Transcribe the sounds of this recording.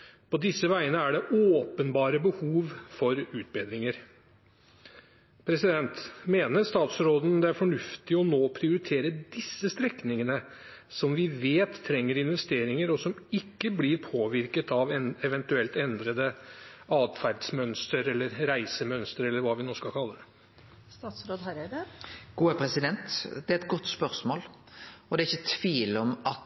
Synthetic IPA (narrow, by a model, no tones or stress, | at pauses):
pʰɔd̪ɪsːəʋæɪənəæɖɛʔoːpənbɑːɾəbəhuːʋfɔɾʉːt̪̚beːd̪ɾɪŋəɾ | pʰɾɛsɪd̪ɛnt̪meːnəst̪ɑːt̪sɾoːd̪n̩d̪ɛæɾfɔɳʉft̪ɪɔnoːpʰɾɪʊɾɪt̪ʰeːɾəd̪ɪsːəst̪ɾɛknɪŋənəsɔmʋɪʋeːt̪ʰːɾɛŋːəɾɪnʋɛst̪eːɾɪŋəɾɔsɔmɪkːəblɪɾpʰoːʋɪɾkət̪ɑʋɛɛʋɛnt̪ʉɛlt̪ɛnd̪ɾəd̪əɑːd̪fæɾɖsmœnst̪əɾɛlːəɾɾæɪsəmœnst̪əɾɛlːəɾʋɑːʋɪnoːskɑlkʰɑlːəd̪ɛ | ssɾ | ɡ̥uːəpʰɾɛsɪd̪ɛnt̪d̪ɛɛt̪ɡɔt̪ːspœɾsmoːlɔd̪ɛɪçːət̪ʰʋiːlɔmɑt̪